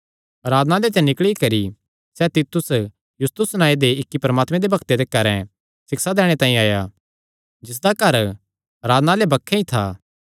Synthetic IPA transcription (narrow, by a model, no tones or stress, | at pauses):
ɐɾaːd̪nalet̪ɛ̃nɪkɭikɐɾi | sɛt̪it̪ʊs | jʊst̪ʊsnãːed̪eɪkːipɐɾəmaːt̪mɛ̃d̪ebɐkʰt̪ed̪ekɐɾɛ̃ | sɪksad̪ɛːɽ̃et̪ãːĩaːja | d͡ʒɪs̬d̪akɐɾ | ɐɾaːd̪nalebɐkʰːẽĩt̪ʰaː